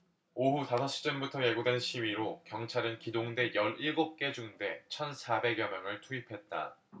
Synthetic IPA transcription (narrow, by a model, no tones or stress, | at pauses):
oɦutasʰʌɕ͈ʰi̥t͡ɕ͈ʌnbutʰʌje̞ɡudwe̞nɕʰiwɥiɾokjʌŋt͡ɕʰaɾɯnkidoŋde̞jʌɾiɭɡop̚k͈e̞d͡ʑuŋde̞t͡ɕʰʌnsʰabe̞ɡjʌmjʌŋɯɭtʰuipʰe̞t̚t͈a̰